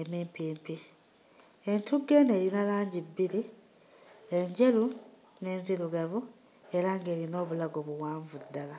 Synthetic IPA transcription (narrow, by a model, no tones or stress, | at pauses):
emiːmpiːmpi | e̞ntuɡːe̞ne̞ːɾinalaːɲɟibːiɾi | eɲɟe̞lu | ne̞ːnziluɡavu | e̞ɾaŋɡe̞ːɾino̞ːβulaɡoβuwaːɱvudːala